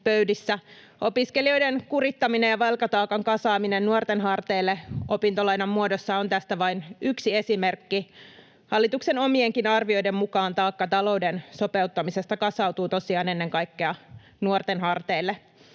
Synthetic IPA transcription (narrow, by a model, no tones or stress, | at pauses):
pøydisːæ | opiskelio̞jdenkurit̪ːɑminejɑʋɑlkɑt̪ɑːkɑŋkɑsɑːminennuort̪enɦɑrt̪eːlːeʔopint̪olɑjnɑmːuodosːɑo̞nt̪æst̪æʋɑinyksiesimerkːi | hɑlːit̪ukseno̞mieŋkinɑrʋio̞jdemmukɑːnt̪ɑːkːɑt̪ɑlo̞wdensope̞ut̪ːɑmisest̪ɑkɑsɑwt̪uːt̪o̞siɑːne̞nːeŋkɑikːeɑ | nuort̪enɦɑrt̪eːlːe